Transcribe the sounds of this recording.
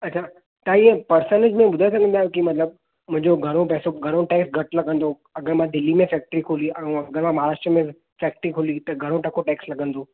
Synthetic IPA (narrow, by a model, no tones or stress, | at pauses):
ɐtːt͡ɕʰa | t̪aiepɐɾsənɪd͡ʑmẽbʊd̪ʱajes̬əɡənd̪aːjõkimɐt̪ləb̚ | mʊ̃ɦɪ̃ɲd͡ʑoɡʱɐɾ̃opɛːsoɡʱɐɾ̃õʈeːksɡʱɐʈlɐɡʱə̃nd̪o | ɐɡəɾmãd̪ɪlːimẽfɛːk̚ʈɾikʰoːliʔɐ̃ɐɡəɾmãmɐɦaɾaːʂʈɾəmẽ | fɛːk̚ʈəɾikʰoːlit̪ɐɡʱɐɾ̃õʈɐkʰoʈeːkslɐɡə̃nd̪o